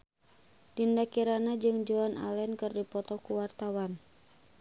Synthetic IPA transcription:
d̥indakiɾanad͡ʒɨŋd͡ʒɔana̰lɛnkɨrdipɔt̪ɔkuwart̪awan

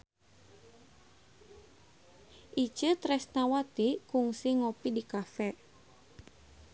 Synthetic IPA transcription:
ʔit͡ʃət̪ɾɛsnawat̪ikuŋsiŋɔpidikafɛ

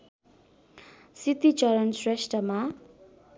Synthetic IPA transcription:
sit̪it͡ʃʌɾʌnsresʈrʌma

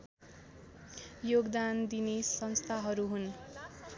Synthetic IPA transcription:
joɡd̪and̪inesʌnst̪ʰaɦʌɾuɦun

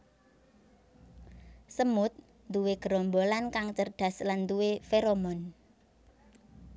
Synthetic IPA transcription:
səmʊt̪̚ | nd̪uweɡ̥əɾɔmbolankaŋt͡ʃərd̪̥ä̤sland̪uwefeɾomɔn

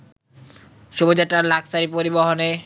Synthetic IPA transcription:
ʃubod͡ʑaʈɾaɾlaksaɾipoɾiboɦone

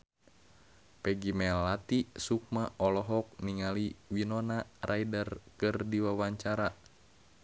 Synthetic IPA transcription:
pɛɡimɛlːat̪isuk̚maʔɔlɔɦɔk̚niŋaliwinɔnarʔajdərkɨrdiwawaɲt͡ʃaɾa

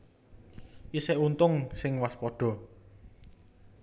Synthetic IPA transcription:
isɛʔunt̪ʊŋsɪŋwaspɔɖ̥ɔ̤

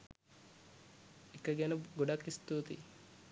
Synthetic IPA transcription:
ekəɡɛnəɡoɖakist̪uːt̪ḭ

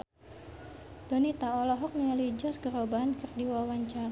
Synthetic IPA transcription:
d̥onit̪aɔlɔɦɔk̚nəŋalid͡ʒɔsɡəɾobaankɨrdiwawaɲt͡ʃaɾ

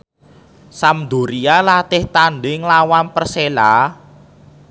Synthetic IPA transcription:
samd̪o̤ɾialat̪ɪht̪aɳɖɪŋlawanpərsela

